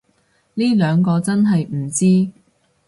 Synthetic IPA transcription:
liː˥lœː˨˧ŋkɔː˧t͡sɐ˥nɦɐ˨jm̩˨˩t͡siː˥

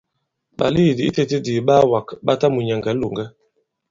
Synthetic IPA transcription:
ba̰˨li˦˨di˨i˦te˦te˦di˨ɓa˦wa˨kɓa˦ta˦mu˨ɲɛ˨ŋɡɛ˨˦lo˨ŋɡɛ˦

